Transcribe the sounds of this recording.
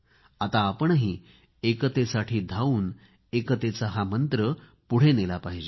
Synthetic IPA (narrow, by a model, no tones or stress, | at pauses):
at̪aːpəɳɦiː | ekət̪esaʈʰiːd̪ʱauːn | ekət̪et͡saɦamənt̪ɾə | puɽ̤enelapaɦid͡ʑe